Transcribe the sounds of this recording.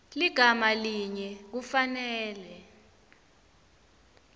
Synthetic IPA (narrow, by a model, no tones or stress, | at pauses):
liɡ̥ʱamaliɲɛk̬ufanɛːlɛ